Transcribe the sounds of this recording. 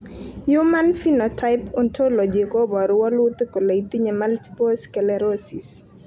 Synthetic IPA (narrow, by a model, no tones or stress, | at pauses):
jumanfinɔtʰaɪpɔntʰolɔd͡ʒekobɔɾʊwɔlʊt̪koleit̪iɲemalti̥poskɛlɛɾosis